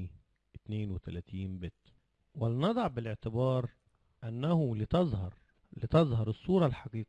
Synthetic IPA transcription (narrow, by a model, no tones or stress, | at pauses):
ʔɪt̪neːnwɪt̪ælæt̪iːnbɪt̪ | wɪlnɑd̪ˤɑʕbɪlɪʕt̪ɪbɑːɾˤ | ʔænːæhʊlɪt̪ɑzˤhɑɾˤ | lɪt̪ɑzˤhɑɾˤɨsˤːuːɾˤɑlħɑqiːqː